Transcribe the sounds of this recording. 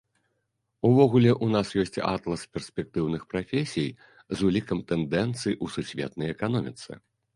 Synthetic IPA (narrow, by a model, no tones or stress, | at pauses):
uvɔɣulʲɛʔunasjɔsʲt͡sʲa̰t̪lˠɐspʲɛrsʲpʲɛk̚t̪ɨwnɨxpɾafʲesʲij | zulʲikɐmt̪ɛnd̪ɛnt̪sɨjiʔususʲvʲɛ̰t̪nɐjɛkanɔmʲit̪sɨ̰